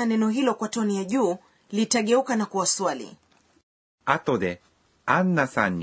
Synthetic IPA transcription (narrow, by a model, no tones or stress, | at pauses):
anɛnɔɦilɔkwatɔnijaʄuː | litaɠɛukanakuwaswalḭ | at̪ɔd̪ɛ | anːasan